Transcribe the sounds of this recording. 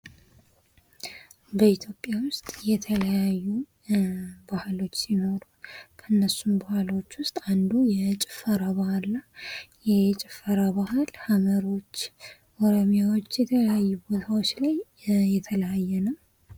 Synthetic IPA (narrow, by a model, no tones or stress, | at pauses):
bəit̪ʰjo̞pʼjawʊst̪ʼjɛt̪ʰələjajːu | bahɨlo̞t͡ʃːsino̞ɾukʰənːəsumbahlo̞t͡ʃːwʊst̪ʼand̪ujɛt͡ʃʼɪ̥fːəɾaβahalːajɛt͡ʃʼɪfːəɾaβahɨlhaməɾo̞t͡ʃː | oɾomijawot͡ʃːjɛt̪ʰəljajːubo̞t̪ʰawo̞t͡ʃːlaj | jɛt̪ʰələjajːɛnə